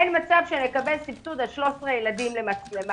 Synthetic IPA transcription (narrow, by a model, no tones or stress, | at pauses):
enmat͡savʃene̞kabelsiptud̪alʃlo̞sʁejeladimle̞mat͡slem